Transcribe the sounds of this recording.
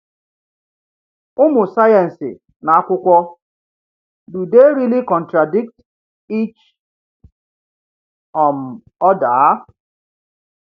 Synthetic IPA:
ʊ˦mʊ˨sa˦ja˨n̩˨sɪ̰˨ | na˨a˦kʷʊ˦kʷɔ˦ | du˨de˦ɾi˦li˦kɔ˨n̩˨tɾa˨di˦k̚t | i˦t͡ʃ | ɔ˨m̩˨ | ɔ˦daː˨˦

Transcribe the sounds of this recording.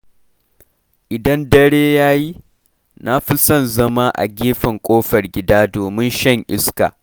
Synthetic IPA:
ʔɪ˨dɐ˦ndɐ˦ɽeː˦jaː˦ji˦ | na˦ɸi˦sɐ˦˨nzɐ˦ma˦ʔa̰˨ɡʲeː˦ɸɐ˨ŋkʷʼoː˦ɸɐ˨rɡʲɪ˨daː˦doː˨mɪ˦nʃɐ˦˨ŋʔɪ˦ska̰˨

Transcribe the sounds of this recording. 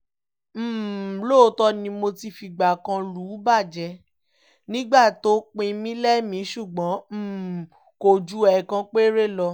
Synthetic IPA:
m̩ː˦˨lo˦˨˦tɔ˦nĩ˧mo˧ti˧fi˨˧ɡ͡ba˨kã˧lu˨˦ba˦˨d͡ʒɛ˧ | nĩ˦ɡ͡ba˦˨to˨˦k͡pẽ˧mĩ˦lɛ˦mĩ˨˦ʃu˦˨ɡ͡bã˨˦m̩ː˦˨ | ko˧˨d͡ʒu˦ɛ˨kã˧k͡pe˦ɾe˦lɔ˧

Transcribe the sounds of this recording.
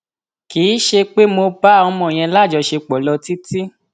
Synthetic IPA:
kiː˨˦ʃe˧k͡pe˦mo˧ba˦ɔ˧mɔ̃˧˨j̃ɛ̃˧la˦˨d͡ʒɔ˧ʃe˧k͡pɔ˨lɔ˧ti˦ti˦

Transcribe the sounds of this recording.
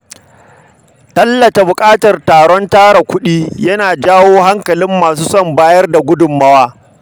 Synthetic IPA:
tɐ˦lːɐ˨ta˨bʊ˨kʼaː˦tɐ˨rtaː˨ɽɔ˦ntaː˦ɽa˨kʷʊ˦ɗiː˦jɐ˦naː˨d͡ʒaː˦woː˦ha˦ŋkɐ˨lɪ˦mːaː˨suː˦sɔ˦mbaː˦jɐ˦rda˨ɡʷʊ˦dʊ˨mːɐ˦waː˦

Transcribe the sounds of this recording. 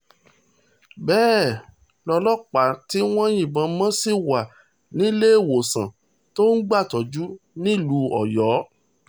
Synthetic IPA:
bɛː˦˨ | lɔ˧lɔ˦k͡pa˨ti˨˦w̃ɔ̃˦jĩ˦˨bã˧mã˦si˦˨wa˨ | nĩ˦le˦e˦˨wo˨sã̰˨ | to˦n̩˦ɡ͡ba˦˨tɔ˨d͡ʒu˦nĩ˦˨lu˨˦ɔ˨jɔ˨˦

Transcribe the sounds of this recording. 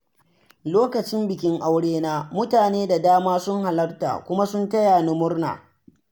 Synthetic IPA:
loː˦kɐ˨t͡ʃɪ˦mbɪ˨kʲɪ˦ŋʔa˦wɽeː˦naː˦mʊ˦taː˨neː˦da˨daː˦maː˦sʊ˦ŋɦa˨lɐ˦rta̰ː˨kʷʊ˦ma˦sʊ˦ntɐ˦ja˨nʊ˦mʊ˦rna̰ː˨

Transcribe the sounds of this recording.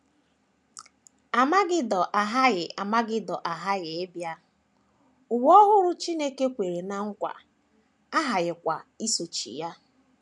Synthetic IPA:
a˨ma˦ɡɪ˦dɔ˨ʔa˨ɦa˦ɣɪ˨ʔa˨ma˦ɡɪ˦dɔ˨ʔa˨ɦa˦ɣɪ˨e˦bja˦ | ʊ˨wɔ˦ɦʊ˦ɾʊ˦t͡ʃi˦ne˦ke˦kʷe˨ɾe˨na˨ŋ̩˦kʷa̰˨ | a˦ɦa˨ɣɪ˨kʷa̰˨i˦so˨t͡ʃḭ˨ja˦

